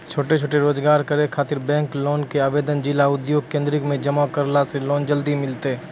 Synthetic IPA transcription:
t͡ʃʰoːʈet͡ʃʰoːʈeɾoːd͡ʒɡaːɾkəɾekʰaːt̪ɪɾbɛ̃ːŋkloːnkeaːʋeːd̪ənd͡ʒɪlaʊd̪joːɡ̚kẽːnd̪ɾɪkmẽd͡ʒəmakəɾlaseloːnd͡ʒəld̪imɪlt̪e

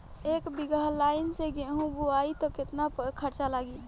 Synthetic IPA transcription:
eːkbiɡəɦlaɪnseɡeɦũbuait̪ɔkɪt̪napəkʰəɾt͡ʃalaɡi

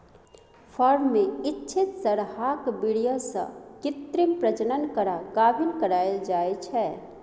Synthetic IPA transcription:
pʰɔɾmːẽɪtːt͡ʃʰɪt̪səɾɦakbiɽijosə̰̃kɪt̪ɾipɾəd͡ʒənənkəɾaɡaːbʱinkəɾaːeld͡ʒaːet͡ʃʰɛ

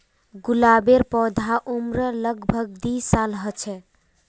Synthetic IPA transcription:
ɡulabeɾpɔd̪ʱaʔumɾələɡbʱəɡ̚d̪isalɦət͡ʃʰɛ

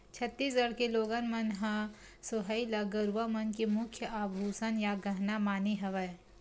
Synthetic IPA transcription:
t͡ʃʰɐt̪ːiːs̬ɡɐɽkeloːɡənmɐnɦã | soɦəilɐɡɐɾʋamɐnkemʊkʰjəʔaːbʱuːsənjaɡɐɦnamaːniɦɐʋə

